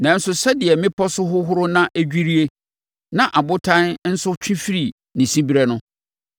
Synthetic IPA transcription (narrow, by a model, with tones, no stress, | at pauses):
nã˨n̩˦sʊ˨sɛ˦dɪ˨ɛ˨mɪ̃˦pʰɔ˦sʊ˦ɦʊ˦ɦʊ˦ɾʊ˦nã˦ʔæ˦d͡ʑᶣi˦ɾi˦e˦ | nã˨ʔa˨bʊ˦tʰã˦nn̩˦sʊ˦t͡ɕʰᶣɪ̃˦fi˦ɾi˨ | nĩ˨sĩ˦bi˦ɾɛ˦nʊ̃˦